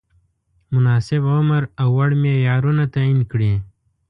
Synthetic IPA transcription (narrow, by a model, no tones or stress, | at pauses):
mʊnaːsɪboməɾawːɐɽmejaːɾunat̪ainkɽe